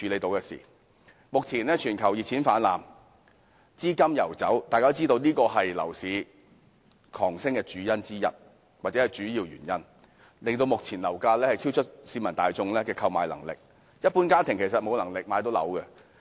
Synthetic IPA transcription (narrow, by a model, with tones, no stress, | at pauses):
t͡ʃʰyː˨˧le˨˧jt̪o˨˧wkɛː˧sḭː˨˩ | mʊ˨k̚t͡sʰiː˨˩nlɛː˥t͡ʃʰyː˨˩nkʰɐ˨˩wji˨t̚t͡sʰiː˨˥nfaː˨˥nla̰ː˨m | t͡siː˥kɐ˥mjɐ̰˨˩wt͡sɐ̰˨˥wt̪aː˨kaː˥t͡si˥t̪o˧wniː˥kɔː˧ɦɐ˨jlɐ̰˨˩wsiː˨˥ | kʰɔː˨˩ŋsɪ˥ŋkɛː˧t͡ʃyː˨˥jɐ˥nt͡siː˥jɐ̰˨t̚ | waː˨˩t͡sɛ˨˥hɐ˨jt͡ʃyː˨˥jiː˧wjy̰˨˩njɐ˥n | lɪ˨ŋt̪o˧wmʊ˨k̚t͡sʰiː˨˩nlɐ̰˨˩wkaː˧lɛː˥hɐ˨jt͡sʰiː˥wt͡ʃʰɵ˥t̚siː˨˥mɐ˨˩nt̪aː˨jt͡sʊ˧ŋlɛː˥kɛː˧kʰɐ˧wmaː˨jlɐ̰˨˩ŋlɪ̰˨k̚ | jɐ˥t̚puː˧˥nkaː˥t̪ʰɪ˨˩ŋkʰe˨˩sɐ˨t̚mo˨˧wlɐ˨˩ŋlɪ˨k̚maː˨˧jt̪o˨˥wlɐ̰˨˧˥wkɛ˧